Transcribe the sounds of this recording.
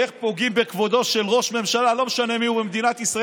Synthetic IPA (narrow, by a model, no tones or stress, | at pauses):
eχpo̞ɡimbe̞kvo̞d̪o̞ʃe̞lʁo̞ʃme̞mʃalalo̞meʃane̞miubemd̪inat̪isʁa